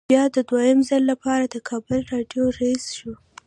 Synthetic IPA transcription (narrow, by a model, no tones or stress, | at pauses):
jɑd̪əd̪wajəmzalːapɑɾad̪əkʰɑbʊlɾɑɖjoɾaisʃu